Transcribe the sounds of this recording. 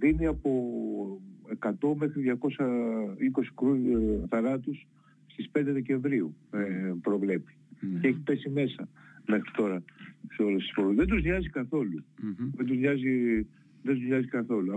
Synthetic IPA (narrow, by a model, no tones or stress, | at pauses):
ðiniɐpo̞ | e̞kɐt̪o̞me̞xɾiðʝɐko̞sɐiko̞si̥kɾuθɐɾɐt̪us | st̪ispe̞nd̪e̞ðece̞ɱvɾiuepɾo̞vle̞pi̥ceçipe̞sime̞sɐme̞xɾit̪o̞ɾɐseo̞lesi̥sfoɾuzðend̪uzɲɐzikɐθo̞luðend̪uzɲɐzi | ðe̞nd̪uzɲɐzikɐθo̞lu